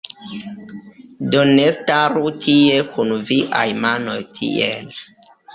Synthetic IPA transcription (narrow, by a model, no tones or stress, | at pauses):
donestaɾutʰiekʰunviʔa̰jmano̞jtʰḭel